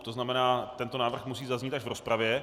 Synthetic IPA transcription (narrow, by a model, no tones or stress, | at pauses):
t̪oznamɛnaːt̪ɛnt̪onaːvr̩xmus̬iːzazɲiːt̪aʒvɾospɾavjɛ